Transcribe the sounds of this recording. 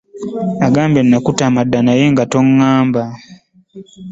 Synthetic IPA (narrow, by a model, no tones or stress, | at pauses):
aɡaːmbenːakutamadːanajeŋɡatoŋːaːmba